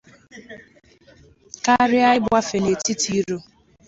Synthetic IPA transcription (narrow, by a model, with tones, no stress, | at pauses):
ka˦ɾɪ˦a˦ɪ˦ba˦fe˨ne˨ti˦tʰi˦ɾo˦